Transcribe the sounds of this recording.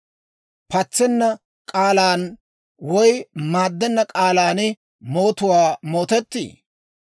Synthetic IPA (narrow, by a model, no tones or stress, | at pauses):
pɐt͡sːɛnːɐ | kʼaːlaːn | wɔjmaːd̪ːɛnːɐkʼaːlaːnɪ | mo̞ːt̪ʊwaːmo̞ːt̪ɛt̪ːḭː